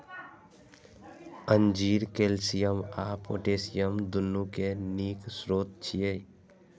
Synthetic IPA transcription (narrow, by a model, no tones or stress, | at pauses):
ənd͡ʒiːɾkeːlsijəmaːpo̰ːʈeːsijəmd̪ʊnːukeniːksɾoːt̪̚t͡ʃʰije